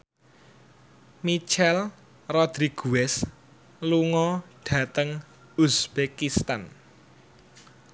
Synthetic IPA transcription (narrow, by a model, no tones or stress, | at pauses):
mit͡ʃɛl | rɔd̪̥ɾiɡ̥uwɛs | luŋɔɖ̥ä̤t̪əŋ | usb̥ekist̪an